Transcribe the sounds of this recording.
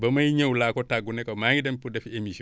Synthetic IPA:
bamajiɲewulakotaɡunekamaɲidampudefiemis

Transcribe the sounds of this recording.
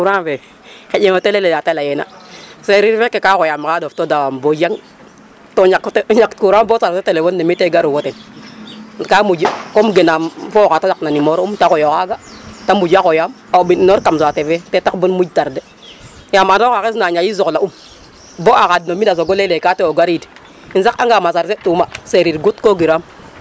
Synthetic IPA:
uɾave | ked͡ʒeotelelejatelajena̰seɾiɾfekekakojamkadoftodawambod͡ʒaŋ | toɲaktɲakkuɾambotaɾetelefondemiteɡaɾuwoten | kamud͡ʒikomɡenamfokatasaknanimoɾumtakojokaɡatamud͡ʒakojam | abinnoɾkamsatevetetakbunmud͡ʒtaɾde | jamanokakes̬naɲajizoklaum | boakadnomidas̬oɡolelekateoɡaɾid | insakaŋɡamasaɾsetumaseɾiɾɡutkoɡiɾam

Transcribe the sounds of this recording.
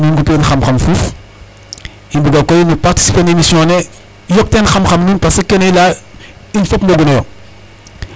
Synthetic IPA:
minɡupenxamxamfuf | inbuɡakojnipaɾti̥si̥penemisiɔ̃ne | jɔk̚tenxamxamnunpasekenela | infɔpnoɡunɔ

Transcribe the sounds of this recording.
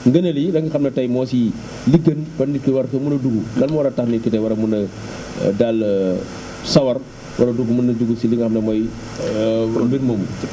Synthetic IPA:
ŋɡɐnɐlidɐŋɡɐxɐmnɐtɐjmɔːsi | liɡɐnbɐnːitkiwɐɾkɐmunɐduɡudɐlmɔwɐɾɐtɐxnikitɐwɐɾɐmunɐ | dal | sɐwɐr | wɐɾɐduɡmunɐd͡ʒuɡusiliŋɡɐxɐmnɐmɔj | mbinmɔmu

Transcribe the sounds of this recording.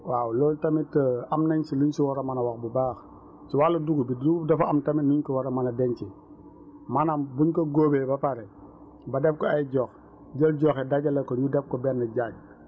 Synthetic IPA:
waːwlɔːltɐmitəɐmnɐɲsiluɲsiwɔɾɐmɐnɐwaxbubaːx | siwalɐduɡubiduɡudɐfɐɐmtɐminuɲkɔwɔɾɐmɐnɐdɛɲt͡ʃi | mɐnambuɲkoɡoːbebɐpaɾɛ | bɐdɛfkɔɐjɟɔːx | ɟəlɟɔxɛdaɟɐlekɔɲudɛfkɔbɛnːɐɟaːɲ̚

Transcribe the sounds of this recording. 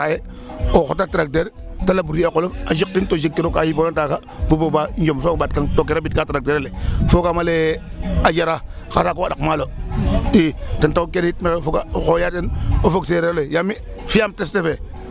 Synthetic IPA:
aje | oxotatɾak̚teɾ | talabuɾiekolofaʃik̚tintod͡ʒikːiɾokajibonataka | bubobaɲd͡ʒomsobat̚kaŋtokeɾabitkatɾak̚teɾalefokamalead͡ʒaɾa | xasakoadakmaloitentokeɾit̚mekefokaxojatenofokseɾelojami | fiamtestefe

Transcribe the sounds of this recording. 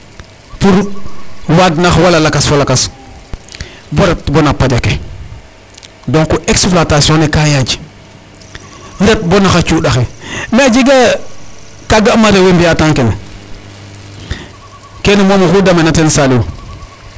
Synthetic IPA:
fuɾ | wadnaxwalalakasfolakas | boɾepbonapad͡ʒake | doŋkoʔeksplatasiõnekajad͡ʒi̥ | ɾep̚bonaxat͡ʃuɗaxemad͡ʒiɡa | kaɡamaɾewembijataŋkene | kenimomakudamenatensaliwo̰

